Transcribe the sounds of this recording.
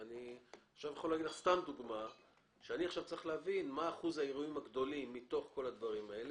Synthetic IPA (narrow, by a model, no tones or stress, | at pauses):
aniχʃavjeχolaːɡidlaχst̪amd̪uɡma | ʃeaniaχʃavt͡saʁiχleavinmaːχuzaiʁuimaɡd̪o̞limːit̪o̞χko̞lad̪vaʁimae̞le